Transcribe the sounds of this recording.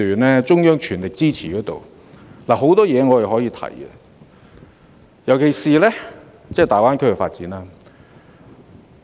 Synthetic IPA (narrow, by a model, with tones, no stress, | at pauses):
yː˨nlɛː˥t͡sʊ˥ŋjœː˥ŋt͡ʃʰyː˨˩nlɪ˨˩k̚t͡siː˥t͡sʰiː˨kɔː˨˥t̪o̰˨w | laː˨˩ɦo˨˥wt̪ɔː˥jɛː˨˧ŋɔː˨˧jɐ˨wɦɔː˨˥jiː˨˧t̪ʰɐ̰˨˩jɡɛ̰˧ | jɐ˨˩wkʰe˨˩jsiː˨lɛː˥ | t͡sɛː˥˩t̪aː˨˩waː˥nkʰɵ˥kɛ˧faː˧t̚t͡siː˨˥naː˦˧